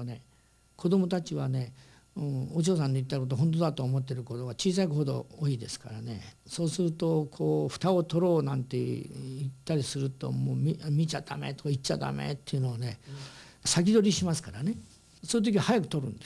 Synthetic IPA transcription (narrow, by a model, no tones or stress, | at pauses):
ne̞ | kʰo̞d̪o̞mo̞t̪at͡ɕiβane̞ | ɯ̃ot͡ɕ̬o̞ːs̬ãnd̪e̞it̪ːaiko̞t̪oɦont̪̬od̪at̪oːmo̞t̪ːe̞ɾɯ̟ko̞t̪o̞ɡat͡ɕiːsaikoːd̪o̞̰oːiːd̪e̞sɨ̥ka̰ɾane̞̰so̞ːsɨɾɯ̟t̪o̞kʰoːɸɯ̟̥t̪aot̪o̞ɾo̞ːnãnt̪e̞it̪ːaɾʲisɨɾɯ̟t̪o̞̰moːmimʲit͡ɕad̪a̰mḛt̪okait͡ɕːad̪a̰mḛt̪ːe̞iɯ̟noːne̞ | sak̬ʲid̪o̞ɾʲiɕimasɨ̥kaɾane̞ | sonit̪̬o̞kʲiahajakɯ̟̥t̪o̞ɾɯ̟̃nd̪̥e